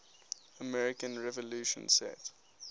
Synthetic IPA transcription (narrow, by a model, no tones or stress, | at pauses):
əmɛɹɪkə̃nɹɛvɔluːʃə̰̃nsɛ̰t